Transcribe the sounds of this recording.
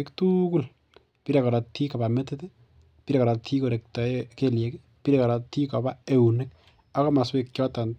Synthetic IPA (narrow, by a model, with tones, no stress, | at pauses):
ktuku˦l | pi˦ɾe˨kɔ˨ɾatʰi˦ka˨bametete | pi˦ɾe˨kɔ˨ɾatʰi˦ko˨ɾe˨k̚tɔ˨keljek | pi˦ɾeka˨ɾa˨ti˦ka˨ba˦e˨unek | a˦kɔ˦maswek̚t͡ʃjɔ˦tan